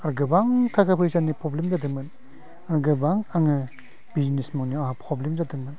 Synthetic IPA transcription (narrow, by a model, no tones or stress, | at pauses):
aɾɡɯbaŋkʰakʰapʰɯjsanipʰɾɔblemzadɯŋmɯn | aɾɡɯbaŋaŋɯ | b̥iznesmaŋniaapʰɾɔblemzadɯŋmɯn